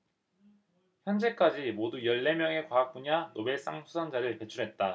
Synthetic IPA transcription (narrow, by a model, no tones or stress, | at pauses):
çjʌnd͡ʑe̞k͈ad͡ʑimodujʌɭːe̞mjʌŋe̞kwaak̚p͈uɲanobe̞s͈aŋsʰusʰaŋd͡ʑaɾɯɭpe̞t͡ɕʰuɾɦe̞t̚t͈a